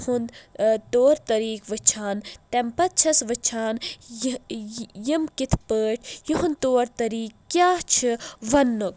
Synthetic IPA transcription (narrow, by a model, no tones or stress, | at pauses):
hund̪t̪oːɾt̪ɐɾiːkʋɨt͡ʃʰaːnt̪ɛmpɐt̪̚t͡ʃʰɐsʋɨt͡ʃʰaːn | jimkit̪ʰpəːʈʰjiɦunt̪oːɾt̪ɐɾiːkːjaːt͡ʃʰɨʋɐnːuk